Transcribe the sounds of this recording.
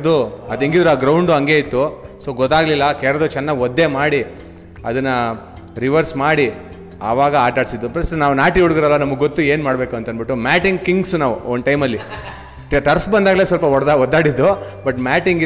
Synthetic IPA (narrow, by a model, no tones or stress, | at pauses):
d̪uɐd̪eŋɡid̪ɾuaːɡɾɐwɳɖuɐŋɡeːit̪ːusoːɡɔt̪ːaːɡɐlilːɐkɛːɾɐd̪ut͡ʃɛnːɐɡɔd̪ːe̞maːɽi | ɐ̰d̪ɐnːɐ | ɾiʋɐɾsmaːɽi | aʋaːɡɐaːʈaːɽisid̪ːuplɐsnaːʋunaːʈiuɽɡiɾɐlːɐnɐmːɐɡːot̪ːue̞ːnmaːɽbe̞ːkuɐnt̪ɐnbiʈːumaːʈiŋɡkiŋɡsnaːʋuonʈɐjmɐlːi | ʈɐʈɐɾpʰbɐnd̪aːɡɐlesʋɐlpɐɔaɔd̪ːaːɽid̪ːu | bɐʈmaːʈiŋɡi